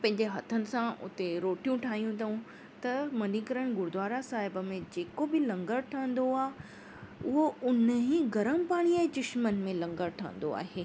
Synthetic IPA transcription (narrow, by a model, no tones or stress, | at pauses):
pɐ̃ɦɪ̃ɲ̆d͡ʑeɦɐt̪ʰənɪ̆sãʊ̰t̪eɾoːʈijũʈʰaːɦijũt̪ʰɐũ | t̪ɐmɐnikəɾəɽ̃ɡʊɾd̪ʋaːɾasaːɦɪbəmẽd͡ʑeːkobɪlɐ̃ŋɡəɾʈʰə̃ə̃n̆d̪oaːɦ | ʊɦoʊnɦĩɡɐɾəmpaːɽ̃iɛ̃ːd͡ʑʊʃmənɪ̆mẽlɐ̃ŋɡəɾʈʰɐ̃ə̰̃n̆d̪o̰a̰ːɦeː